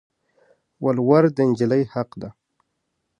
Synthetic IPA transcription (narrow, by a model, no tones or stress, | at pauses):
walwaɾd̪ənd͡ʒɪlajhaqd̪a